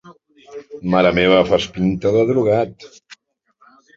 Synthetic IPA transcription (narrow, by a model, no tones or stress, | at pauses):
maɾəmeβəfaspint̪əðəðɾuɣat̪